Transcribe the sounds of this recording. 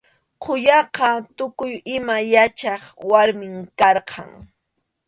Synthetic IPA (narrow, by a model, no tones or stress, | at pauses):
qʰʊjɑqɑt̪ʊkʊjɪmajat͡ʃɑχwaɾmɪŋkɑɾqʰɑ̰ŋ